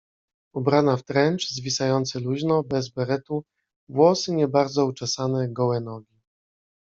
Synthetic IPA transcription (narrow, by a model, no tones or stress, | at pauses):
ɔbɾanaft̪ɾɛnt͡ʂzvʲisajɔnt̪sɘluʑnɔbɛzbɛɾɛt̪u | vwɔsɘɲɛbaɾd̪zɔut͡ʂɛsanɛɡɔwɛnɔɡʲi